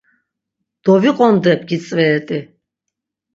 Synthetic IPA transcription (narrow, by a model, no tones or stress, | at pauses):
d̪̥ɔviqʼɔnd̪ɛpʰɡit͡sʼvɛːt̪ʼi